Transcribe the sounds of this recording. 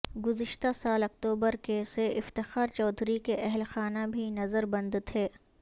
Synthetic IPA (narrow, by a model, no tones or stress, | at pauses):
ɡʊzɪʃt̪asaːlɐk̚t̪uːbəɾkeseʔɪft̪ɪxaːɾt͡ʃɔːd̪ʱɾikeʔɛɦlxaːnabʱinɐzəɾbɐ̃nd̪t̪ʰeː